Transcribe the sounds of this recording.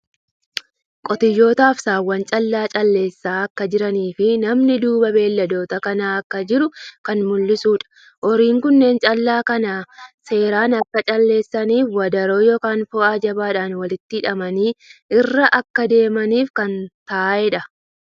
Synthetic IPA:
kʼɔt̪ɪjːo̞ːt̪aːfsaːwːɐnt͡ʃʼɐlːaːt͡ʃʼɐlːe̞ːsːaːɐkːɐd͡ʒɪɾɐniːfɪnɐmnɪd̪uːbɐbe̞ːlːɐd̪o̞ːt̪ɐkɐnaːɐkːɐd͡ʒɪɾʊkɐnmʊlːɪsuːᶑɐ̥ | ʔɔɾiːŋkʊnːe̞ːnt͡ʃʼɐlːaːkɐnaːse̞ːɾaːnɐkːɐt͡ʃʼɐlːe̞ːsːɐniːfwɐd̪ɐɾo̞ːjɔkaːnfɔad͡ʒɐbaːᶑaːnwɐlɪt̪ːɪɪᶑɐmɐniːʔɪrːɐʔɐkːɐd̪e̞ːmɐniːfkɐnt̪aːʔɛᶑɐ

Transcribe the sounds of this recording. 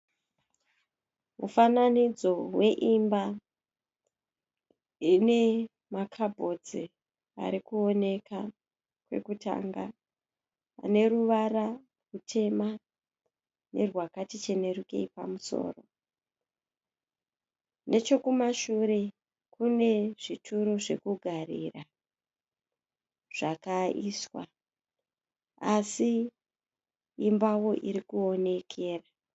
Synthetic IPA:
ṵfananid͡zo̞we̞ʔimba | ine̞ | makʰabʱo̞d͡zi | a̰ɾikuo̞ne̞ka | kwe̞̰kuta̰ŋɡa̰ː | ne̞ruʋara | rutʰe̞ma | ne̞̰rwakatit͡ʃe̞ne̞ruke̞̰ipa̰muso̞̰ːro̞̰ | ne̞t͡ʃo̞kumaʃuɾe̞ | kune̞ʐitʰuɾo̞ʐe̞̰kuɡʱarira | ʐ̥akaiswa̰ | asi | mbawo̞ʔiɾikuo̞ne̞kʰe̞ːra

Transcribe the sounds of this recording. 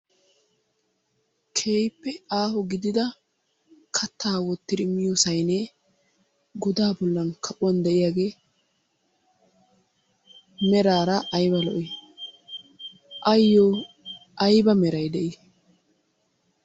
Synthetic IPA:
kʰe̞ːjpːɛaːhɔɡɪd̪ɪd̪ɐ | kʰɐt̪ːaːwɔt̪ːɪd̪ɪmːɪjosɐjne | ɡɔd̪aːbɔlːɐnkʰɐʔʊwɐnd̪ɛʔɪjaɡeː | mɛɾaːɾɐʔːjbɐlɔʔɪ | ʔɐjːo | ʔɐjbɐmɛɾɐjd̪ɛʔɪ

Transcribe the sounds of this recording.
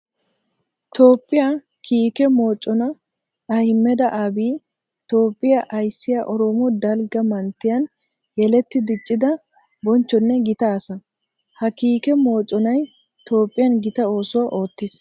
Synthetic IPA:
t̪o̞ːpʼːɪja | kʰiːkɛmo̞ːt͡ʃʼːɔnɐ | ɐhɪmːɛd̪ɐʔabiː | t̪o̞ːpʼːɪjɐʔɐjsːɪjɐʔɔɾɔmɔd̪ɐlɡɐmɐnt̪ːɪjɐn | jɛlɛt̪ːɪd̪ɪt͡ʃʼːɪd̪ɐ | bɔnt͡ʃːɔnːɛɡɪt̪aːsɐ | hɐkiːkɛmo̞ːt͡ʃʼːɔnɐj | t̪o̞ːpʼːɪjɐnɡɪt̪ɐo̞ːsʊwɐʔo̞ːt̪ːɪs

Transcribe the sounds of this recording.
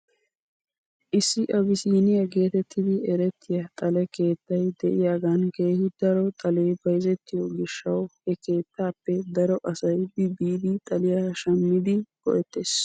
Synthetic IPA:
ʔɪsːɪʔɐbɪsiːnɪjɐɡe̞ːt̪ɛt̪ːɪd̪ɪɛɾɛt̪ːɪjat̪ʼɐlɛke̞ːt̪ːɐjd̪ɛʔɪjaːɡɐnke̞ːhɪd̪ɐɾɔt̪ʼɐleːbɐjɪzɛt̪ːɪjɔɡɪʃːɐwhɛke̞ːt̪ːaːpːɛd̪ɐɾɔʔɐsɐjbɪbiːd̪ɪt̪ʼɐlɪjaːʃɐmːɪd̪ɪkɔ̰ʔɛt̪ːeːs

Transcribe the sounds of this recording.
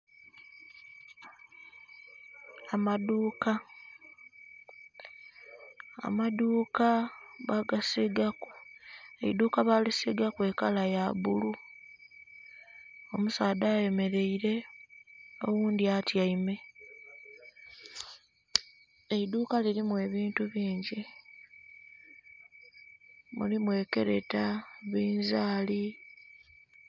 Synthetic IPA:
maduːka | a̰maduːkaβaɡasiɡakuḛiduːkaβalisiɡakwe̞ːkalajaβulu | omusaːdaːje̞me̞ɾe̞iɾe̞ | o̰wuːnd̪iatjaime̞ | eid̪uːkaliɾimwe̞ːβiːntuβiːɲɟi | mṵlimwe̞ːke̞̰ɾe̞̰taβiːnzaːli

